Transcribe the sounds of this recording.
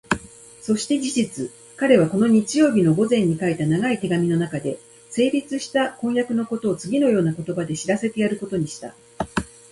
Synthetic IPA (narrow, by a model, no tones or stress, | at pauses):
so̞ɕi̥t̪e̞d͡ʑiʑit͡sɨ | kaɾe̞β̞ako̞no̞ɲ̟it͡ɕijo̞ːbʲino̞ɡo̞zẽ̞ɲ̟ːikait̪anaɡait̪e̞ɡamʲino̞nakad̪e̞ | se̞ːɾʲit͡sɨɕi̥t̪akõɰ̃jakɯ̟no̞ko̞t̪o̞ːt͡sɨɡʲino̞jo̞ːnako̞t̪o̞bad̪e̞ɕiɾase̞t̪e̞jaɾɯ̟ko̞t̪o̞ɲ̟iɕi̥t̪a̰